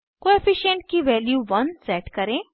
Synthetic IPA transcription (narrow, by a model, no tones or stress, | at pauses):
koefiʃeɳʈ̚kiʋɛːljuʋɐnsɛʈkɐɾẽ